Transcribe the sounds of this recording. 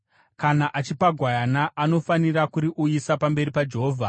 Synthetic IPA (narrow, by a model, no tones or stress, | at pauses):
kanaʔat͡ʃipaɡʱwajanaʔano̞faniɾakuɾiʔuisapambe̞ɾipad͡ʒe̞ɦoːvʱa